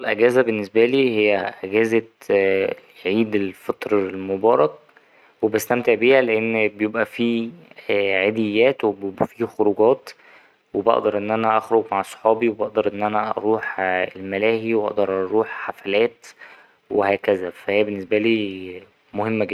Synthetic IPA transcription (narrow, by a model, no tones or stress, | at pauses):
lʔæɡæːzæbenːesbæliːhejːæʔæɡæːzæ | ʕiːd̪elfet̪ˤɾlmobɑːɾˤɑk̚ | webæst̪æmt̪eʕbiːhæleʔenːbejebʔæfiː | ʕed̪ejːæːt̪webjobʔæfiːxoɾuɡɑːt̪ | webɑ̰ʔd̪ɑɾˤʔenːʔænæʔɑxɾoɡmaʕsˤħɑːbiwebɑʔd̪ɑɾˤʔenːʔænæʔɑ̰ɾˤuːħelmælæːhiwʔɑ̰ʔd̪ɑɾˤʔɑɾˤuːħħafælæːt̪ | wehæːkæzæfæhejːæbenːesbæliː | mohemːæɡed̪ː